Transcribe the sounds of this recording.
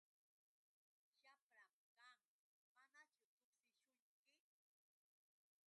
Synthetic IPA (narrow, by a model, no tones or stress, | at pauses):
ʃapɾa | kam | manat͡ʃʊt̪ʊksɪʃʊjkɪ